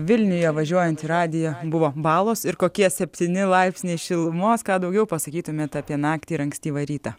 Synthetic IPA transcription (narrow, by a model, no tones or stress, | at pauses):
ʋʲɪlʲnʲʊjoːʋɐʒʲuɔjɛnʲt̪ʲiɾɑːd̪ʲɪjɛbʊʋoːbɑːlˠoːsɪɾkoːkʲiɛsʲɛpʲt̪ʲiːnʲɪlˠɐɪpʲsʲnʲɛɪʃʲɪlˠmoːskɑːd̪ɐʊɡʲɛʊpɐsɐkʲiːt̪ʊmʲeːt̪ɑpʲiɛnɑːkt̪ʲiːɾɐŋksʲt̪ʲiːʋɐɾʲiːt̪ɑ